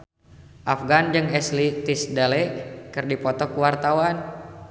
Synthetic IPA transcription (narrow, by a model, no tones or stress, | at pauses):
ʔafɡand͡ʒɨŋɛslit̪isdalɛkɨrdipɔt̪ɔkuwart̪awan